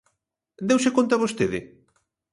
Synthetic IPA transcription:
d̪ewsɪkont̪aβost̪eðɪ̰

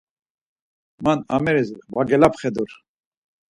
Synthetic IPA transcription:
mana̰mɛɾisvaɡɛlapχɛd̪uɾ

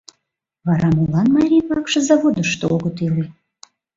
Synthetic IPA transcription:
βɑɾɑmulɑnmɑɾʲijpɑkʃɤ̆zɑβod̪əʃt̪ooɣət̪ile

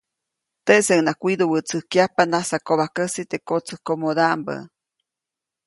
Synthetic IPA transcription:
t̪eʔseŋnakʷid̪owət͡sɨhkjapanasakoβahkəsit̪ekot͡səhkomod̪ambə̰

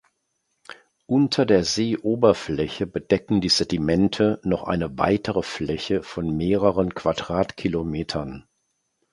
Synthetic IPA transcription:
ʔʊntʰɐdeːɐzeːʔoːbɐflɛçəbədɛkŋ̩diːzɛdimɛntʰənɔχʔa̰ɪnəva̰ɪtʰəʁəflɛçəfɔnmeːʁəʁənkv̥adʁaːtkʰilomeːtʰɐn

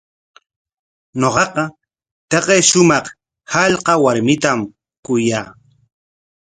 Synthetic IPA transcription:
noqɑqɑ | t̪ɑqejʃʊmɑχ | hɑʎqɑwaɾmɪt̪am | kʊjaː

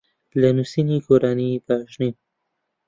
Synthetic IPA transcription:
lanusinikoɾanipaʃni

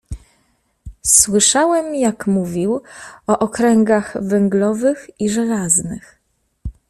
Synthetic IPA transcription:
swɘʂawɛmjakmuvʲiwɔʔɔkɾɛŋɡaɣvɛŋɡlɔvɘxiʐɛlaznɘx

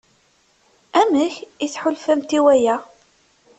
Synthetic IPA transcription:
æməçiθħʊlfæmt̪iwæjæ

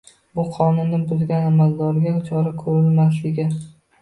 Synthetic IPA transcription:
bʊqʰɒnʊnːɪbʊzɡʲanamalˠd̪ɒɾɪɡʲat͡ʃʰɒɾakʰɵɾɪlmaslɪɡʲɪ

